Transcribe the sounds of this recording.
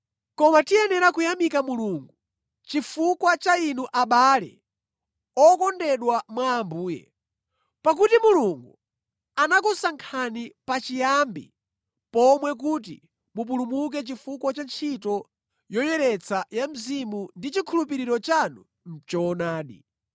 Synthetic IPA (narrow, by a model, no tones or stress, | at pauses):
kɔmatiɛnɛɾakujamikamuluːŋɡu | t͡ʃifukwat͡ʃainuʔaɓalɛ̰ | ɔkɔndɛɗwamwaːmbuːjɛ̰ | pak̬utimuluŋɡu | anakusaŋkʰanipat͡ʃijambḭ | pɔmwɛk̬ut̬ḭ | mup̬ulumuk̬ɛt͡ʃifukwat͡ʃant͡ʃʰitɔ | jɔjɛɾɛt͡sʰajam̩zimundit͡ʃikʰulup̬iɾiɾɔt͡ʃanu | n̩t͡ʃɔːnaːɗi